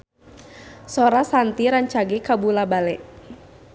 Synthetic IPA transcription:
sɔɾasant̪iɾaɲt͡ʃaɡɛkabulabalɛʔ

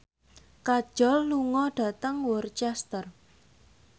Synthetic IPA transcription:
kad̥ʒ̥ɔ̤lːuŋɔɖ̥ä̤t̪əŋwɔrt͡ʃɛst̪ər

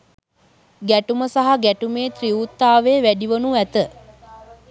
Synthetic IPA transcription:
ɡæʈuməsaɦaɡæʈumeːt̪riut̪ːaːʋeːʋæɖiʋənuʋæt̪ə

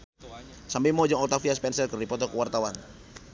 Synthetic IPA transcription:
sambimɔd͡ʒɔŋɔt̪afiaspɛnsɛlkɨrdipɔt̪ɔkəwart̪awan

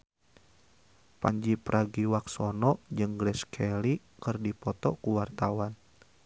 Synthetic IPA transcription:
paɲd͡ʒipɾʔaɡiwaksɔnɔʔd͡ʒɨŋɡɾɛskʰɛli | kɨrdipɔt̪ɔkuwart̪awan

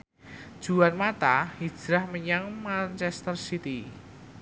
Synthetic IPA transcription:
d̥ʒ̥uanmat̪ahi̥d͡ʒ̥ɾahməɲaŋmant͡ʃɛst̪ərsit̪i

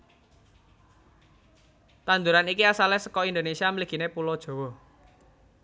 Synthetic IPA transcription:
t̪and̪uɾanikiasalehsəkɔind̪onesiaməliɡ̥i̤nepulɔd̥ʒ̥o̤wɔ

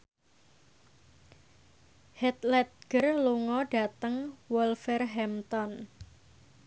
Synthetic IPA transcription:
hɛt̪lɛt̪̚ɡ̥ərluŋɔɖa̤t̪əŋwɔlfɛrɦɛmt̪ɔn

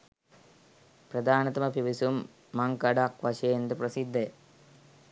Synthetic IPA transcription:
prɐd̪aːnɐt̪ɐmɐpiʋisumː | ɐŋkɐɖakʋɐɕeːnd̪ɨprɐsid̪ʱːe

